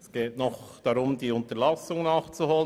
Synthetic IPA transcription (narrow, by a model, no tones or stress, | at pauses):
sɡ̥eːtnɔχd̥ɑɾʊmdiːʊntəlɑsʊŋnɑːχt͡suhoːlə